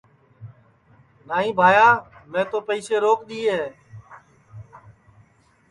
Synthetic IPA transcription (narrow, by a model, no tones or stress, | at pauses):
naːɦĩːbʱaːjaːmẽːt̪oːpəiːseːɾoːkɗ̪iːɦeː